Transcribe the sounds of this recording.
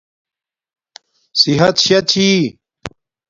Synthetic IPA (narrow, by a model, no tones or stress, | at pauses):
siɦɐt̪ɕɐt̪t͡ɕʰi